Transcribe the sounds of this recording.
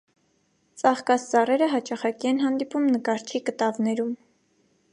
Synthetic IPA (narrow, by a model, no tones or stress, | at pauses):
t͡sɑχkɑst͡sɑrɛɾəɦɑt͡ʃɑχɑkiɛnɦɑnd̪ipumnəkɑɾt͡ʃʰikət̪ɑvnɛɾum